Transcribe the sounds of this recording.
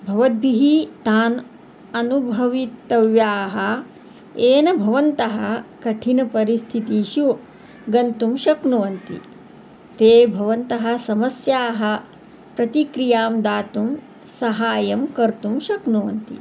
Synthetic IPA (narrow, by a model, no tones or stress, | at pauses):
bʱɐʋɐd̪̚bʱiɦit̪aːn | ɐnubʱɐʋit̪ːɐʋjaːɦɐ | eːnɐbʱɐʋɐnt̪ɐɦɐkɐʈʰinɐpɐɾist̪ʰit̪iʃu | ɡɐnt̪umʃɐknuʋɐnt̪ḭ | t̪eːbʱɐʋɐnt̪ɐɦɐ̆sɐmɐsjaːɦɐ̆ | pɾɐt̪ikɾijaːmd̪aːt̪um | sɐɦaːjɐmkɐɾt̪umʃɐknuʋɐnt̪ḭ